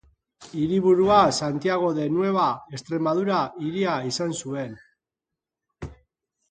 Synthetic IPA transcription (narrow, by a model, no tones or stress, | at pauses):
iɾiβuɾuasant̪iaɣ̞o̞ðe̞nue̞βae̞st̪ɾe̞mað̞uɾaiɾiaisansue̞n